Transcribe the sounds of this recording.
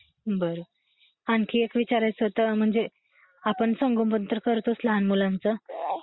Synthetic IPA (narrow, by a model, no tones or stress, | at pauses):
bəɾo | ankʰiekʋit͡ɕaɾajt͡sət̪əm̤əɳd͡ze | apəɳsəŋɡompənt̪ɾəkəɾt̪oslaɦanmulant͡sə